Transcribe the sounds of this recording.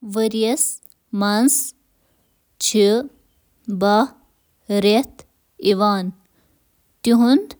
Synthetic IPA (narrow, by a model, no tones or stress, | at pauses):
ʋəɾiɐs | mans | t͡ʃʰi | bɐ | ɾet̪ | iʋaːn | t̪iɦund̪